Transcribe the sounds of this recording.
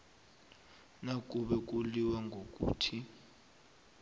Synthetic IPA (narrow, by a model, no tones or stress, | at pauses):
nak̬ʼuɓɛk̬ʼuliwaŋɡʱok̬ʼṵːtʰi